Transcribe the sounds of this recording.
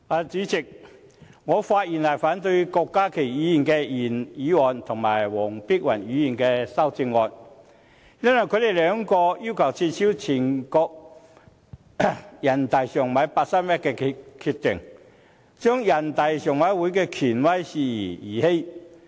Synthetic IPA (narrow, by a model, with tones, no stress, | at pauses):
aː˨˧t͡siː˨˥t͡sɪ˨k̚ | ŋɔː˨˧faː˧t̚jiː˨˩nlaː˨˩faː˨˥nt̪ɵ˧ɥkɔː˧kːaː˥kʰe˨˩jɥiː˨˥ji˨˩nkɛː˧jiː˨˩njiː˨˥wɔː˨˩nt̪ʰʊ˨˩ŋma̰ː˨˩jwɔː˨˩ŋpiː˥k̚wɐ˨˩nyː˨˧˥jiː˨˩nkɛː˧sɐ˥wt͡sɪ˧ŋːɔː˧n | jɐ˥nwɔ˨˩jkʰɵ˨˧˥d̪e˨jlœː˨˧˥ŋkɔː˧jiː˥wkʰɐ˨˩wt͡sʰiː˧t̚t͡sʰiː˨˥wt͡sʰiː˨˩nkɔː˧k̚ | jɐ˨˩nt̪ɐ˨jsœː˨˩ŋmɐ˨˧˥jpaː˧t̚sɐ˥mɛː˥kːɛː˧kʰy˧t̪ɪ˨˩ŋ | t͡ʃœː˥ŋjɐ˨˩nt̪ɐ˨jsœː˨˩ŋmɐ˨˥jwuː˨˥jkɛː˧kʰyː˨˩nwɐ˥jsiː˧jiː˨˩jḭː˨˩he˥j